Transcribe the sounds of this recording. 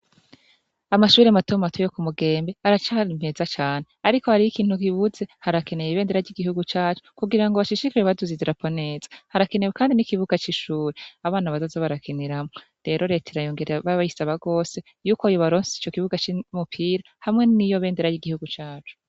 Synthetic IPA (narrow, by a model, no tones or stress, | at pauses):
amaʃuːɾeamatomatʰojo̞kumuɡe̞ːmbe̞aɾat͡ʃaɾim̥he̞zat͡ʃaːne̞aɾiko̞haɾijikiːn̥hukiβuze̞haɾake̞nejiβeːnde̞ɾaɾɟiɡihuɡut͡ʃaːt͡ʃo̥kuɡiɾaŋɡoβaʃiʃikiweβaduziziɾapʰone̞ːz̥ḁhaɾakenewekaːndinikiβuɡat͡ʃiʃuːɾeaβaːnaβazazoβaɾakʰeneɾamŋo | ɾe̞ɾʔo̞ɾe̞tʰeɾajo̞ːŋɡe̞ɾeaβaβajisaβaɡo̞ːse̞ | juːkojoβaɾoːnsiit͡ʃo̞kiβuɡat͡ʃimupʰiɾa | hamŋe̞nijo̞βe̞ːndeɾajiɡihuɡut͡ʃaːt͡ʃu̥